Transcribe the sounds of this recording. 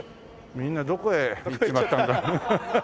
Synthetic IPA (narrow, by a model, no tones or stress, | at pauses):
mʲĩnːad̪okoeiimat̪ːãd̪a